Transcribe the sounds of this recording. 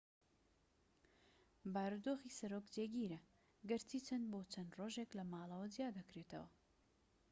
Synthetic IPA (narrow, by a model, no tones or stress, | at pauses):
baːɾud̪oːxiːsɐɾoːkd͡ʒeːɡiːɾɐ | ɡɨɾt̪ʰiːt͡ʃʰɐnboːt͡ʃʰɐnroːʒeklɐmaːlˠɐwɐd͡zjaːd̪ɐkɾeːt̪ʰɐ̰wɐ̰